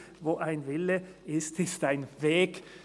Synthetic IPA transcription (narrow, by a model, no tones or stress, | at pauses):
voːʔaɪnvɪləɪstɪstaɪnveːk